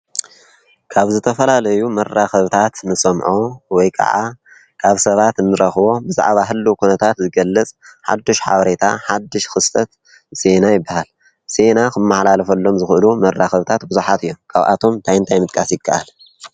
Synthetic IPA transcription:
kʰaβzɨt̪ʰɐfɐlalɐjumɐraxɐβt̪ʰat̪nɨsɐmʕowɔjkʰa̰ʕa̰ | kʰaβsɐβat̪ɨnːɨɾɐxβo̞bɨza̰ʕβaɦɨlːukʰunɐt̪ʰat̪zɨɡɐlːɐt͡sʼħa̰d̪ːiʃħa̰βɐɾe̞t̪ʰaħad̪ːɨʃxɨst̪ʰɐt̪ | se̞najɪbːahal | se̞nakʰɨmːaħlalɐfɐlːo̞mzɨxʔɨlumɐrːaxɐβt̪ʰat̪bɨzuħat̪ɨjːomkʰaβʔa̰t̪ʰo̞mt̪ʰajɨnt̪ʰajmɨt̪ʼkʼasjɪkʰːaʔal

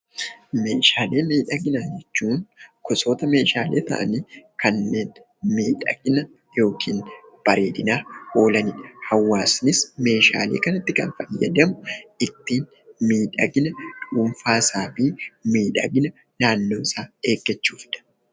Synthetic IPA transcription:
me̞ːʃaːle̞ːmiːᶑɐɡɪnaːd͡ʒɛt͡ʃːuːnkɔso̞ːt̪ɐme̞ːʃaːleːt̪ɐ̰ʔɐ̰niːkɐnːe̞ːn | miːᶑɐ̰ɡɪnɐ | jo̞ːkʰiːn | b̥ɐɾe̞̰ːd̪ɪnaːho̞ːlɐnɪᶑɐ̥hɐwːaːsnɪsme̞ːʃa̰ːlḛːkɐnɐt̪ːɪkɐ̰nfɐjːɐ̰d̪ɐmʊɪt̪ːiːn | miːᶑɐɡɪnɐᶑuːɱfaːsaːfiːmiːᶑɐɡɪnɐ | naːnːo̞ːɪsaːe̞ːɡːɛt͡ʃːuːfɪᶑɐ̥

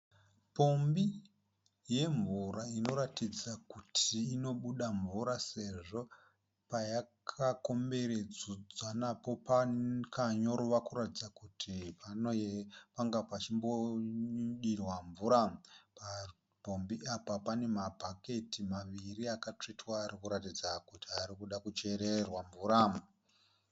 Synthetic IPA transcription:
po̞mbi | je̞ɱvuɾaino̞ɾatid͡zakutʰiːno̞ɓuɗaɱvuɾase̞ʐo̞ | pajakʰako̞mbe̞ɾed͡zud͡zanapo̞pakaɲo̞ɾoʋakuɾatid͡zakutʰipanojepaŋɡapat͡ʃimbo̞ | ɗirwaɱvuɾapa | bʱo̞mbiapapane̞mabʱake̞timaʋiriakat͡ʂitwaːɾikuɾatid͡zakutiaɾikuɗakut͡ʃe̞ɾerwaɱvuːɾa

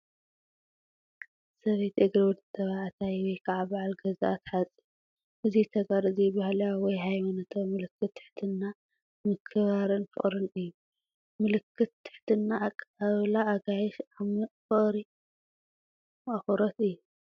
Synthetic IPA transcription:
sɐβet̪ʔɨɡɾiwɔd̪ɨt̪ʰːɐβaʕat̪ʰajwɔjkʰaʕabaʕalɡɐza̰ʔat̪ħat͡sʼi̥ | ʔɨzit̪ʰɐɡaɾɨzijɪbahalɐjawɔjɦajmɐnɐt̪ʰɐmɨlɨkʰːɨt̪ʰːɨ̥ħt̪ʰɨnːa | mɨkʰːɨβaɾɨnfɨ̰χʼɾɨnɨjːu | mɨlɨkʰːɨt̪ʰːɨ̥ħt̪ʰɨnːaːkʼaβlaʔːɡajɛʃamɨfɨχʼɾi | mʔɐxoɾot̪ɨjːu

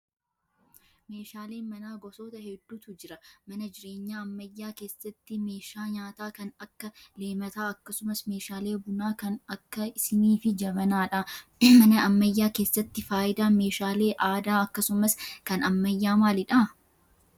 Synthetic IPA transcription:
meːʃaːle̞ːnmɐnaːɡɔsoːt̪ɐhɛd̪ːuːt̪ʊd͡ʒɪɾɐmɐnɐd͡ʒɪɾe̞ːɲːaːɐmːɐjːaːke̞ːsːɐt̪ːɪme̞ːʃaːɲaːt̪aːkɐnɐkːɐle̞ːmɐt̪aːɐkːɐsʊmɐsme̞ːʃaːle̞ːbʊnaːkɐnɐkːɐɪsɪniːfɪd͡ʒɐbɐnaːᶑɐmɐnɐɐmːɐjːaːke̞ːsːɐt̪ːɪfaːʔɪd̪aːme̞ːʃaːle̞ːʔaːd̪aːɐkːɐsʊmɐskɐnɐmːɐjːaːmaːlɪᶑa

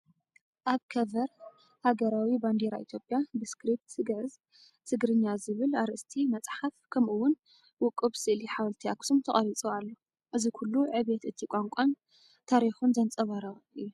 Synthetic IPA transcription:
ʔaβkʰɐvɐɾ | haɡɐɾawiband̪eɾaʔit̪ʰjo̞pʼjabɨskɾip̚t̪sɨɡʕɨz | sɨɡɾɨɲːazɨβɨlaɾɨʔɨst̪ʰimɐt͡sʼħafkʰɐmʔuwʊn | wʊkʼɨβsɨʔliħawlt̪ʰia̰ksumt̪ʰɐχʼɐɾit͡sʼoalːo | ʔɨzikʰulːuʕɨβet̪ɨt̪ʰikʷʼaŋkʷʼan | t̪ʰaɾixunzɐnt͡sʼɐβɐɾɐʔɨjːu

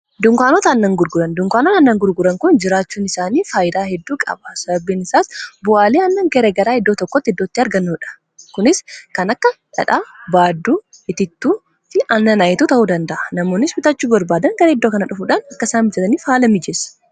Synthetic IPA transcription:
d̪ʊŋkaːnot̪ɐːnːɐŋɡʊɾɡʊɾɐnd̪ʊŋkʷaːnonɐnːɐŋɡʊɾɡʊɾɐŋkʊnd͡ʒɪɾaːt͡ʃːuːnɪsaːniːfaːjɪd̪aːhɛd̪ːuːkʼɐ̰bɐsɐbɐbːiːnɪsaːsbʊʔaːleɐnːɐŋɡɛɾeːɡɐɾaːhɛd̪ːoːt̪ɔkːɔt̪ːɪɛd̪ːoːt̪ːɪɐɾɡɐnːuːᶑɐ̥ | kʊnɪskɐnɐkːɐ | ᶑɐ̰ᶑaːbaːd̪ːuː | ʔɪt̪ɪt̪ːuː | fɪʔɐnːɐnajɪt̪uːt̪ɐʔuːd̪ɐnd̪ɐʔɐnɐmo̞ːnːɪsbɪt̪ɐt͡ʃːuːbɐɾbaːd̪ɐŋɡɐɾɐɛd̪ːoːkɐnɐᶑʊfuːᶑaːnɐkːɐsaːnmbɪd͡ʒɐt̪ɐniːfhaːlɐmɪd͡ʒɛs

